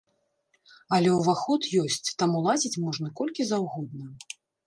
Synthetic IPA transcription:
ɐlʲɛwvaxɔt̪jɔsʲt͡sʲt̪amulˠad͡zʲit͡sʲmɔʐnɐkɔlʲkʲizawɣɔd̪̚nɐ

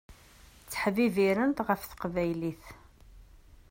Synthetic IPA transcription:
t͡sːə̥ħviviɾənt̪ʁəfθə̥qvæjliθ

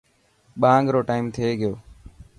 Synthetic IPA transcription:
ɓaːəŋɡɾoːʈaːimt̪ʰeːɡɪjoː

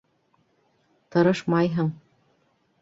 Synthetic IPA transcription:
t̪ɤ̆ɾɤʃmɑjɦɤɴ

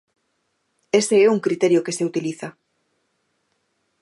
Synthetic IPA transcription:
eseɛuŋkɾit̪ɛɾjokeseut̪iliθɐ

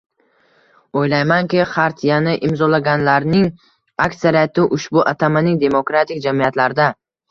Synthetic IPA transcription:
ojlajmankʲɪχaɾt̪ʰjanɪʔɪmzɒlaɡʲanlaɾnɪŋ | aksaɾijat̪ɪʔʊʃbʊʔat̪ʰamanɪŋd̪e̞mokɾat̪ʰɪkʲd͡ʒamijat̪laɾd̪a

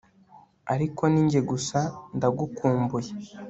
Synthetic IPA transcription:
aɾiko̞niːɲɟe̞ɡusandaɡukuːmbuje

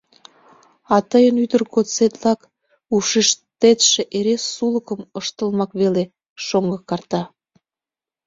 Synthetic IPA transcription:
ɑt̪əjənyd̪ərɣot͡set̪lɑk | uʃiʃt̪et̪ʃeʔeɾesːuləkəməʃt̪əlmɑkβele | ʃoŋɡəkɑrt̪ɑ

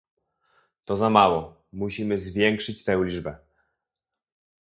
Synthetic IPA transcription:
t̪ɔzamawɔ | muɕimɘzvʲjɛŋkʂɘt͡ɕt̪ɛ̃w̃lʲibɛ

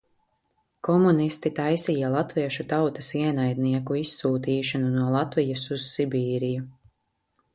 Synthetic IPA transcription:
kɔmunist̪it̪ajsijalˠat̪viɛʃut̪awt̪ɐsiɛnajd̪niɛkuisːuːt̪iːʃanunuɔlˠat̪vijasuz̥sibiːɾiju

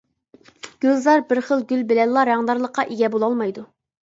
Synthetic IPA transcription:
ɡ̥ʲøzlɑɾbɪɾχəlˠɡʲylbɪlɛllˠɑɾɑŋd̪ɑɾlˠəqʰːɑʔeɡʲɛbolˠɑlˠmɑjd̪u

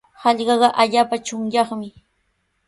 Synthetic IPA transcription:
hɑʎɢɑɢɑʔaʎaːpat͡ʃʊŋjɑχmɪ

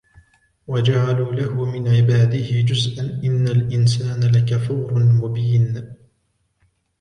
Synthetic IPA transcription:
wad͡ʒaʕaluːlahʊmɪnʕɪbaːd̪ɪhɪd͡ʒʊzʔanʔɪnːalʔɪnsaːnalakafuːɾmʊbiːn

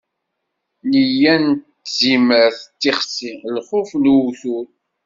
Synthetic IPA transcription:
lijænt̪ | ziməɾθt͡s̪ːiχsilχʊfnwuθul

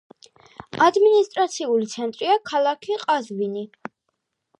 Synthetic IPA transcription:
ad̪minist̪ʼɾat̪sʰiulit̪sʰɛnt̪ʼɾiakʰalˠakʰiqʼazvini

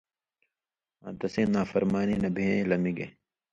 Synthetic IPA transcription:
ã̰ːnt̪ɐsẽːnaːfɐɾmaːniːnɐbʱiẽlɐmiɡḛ

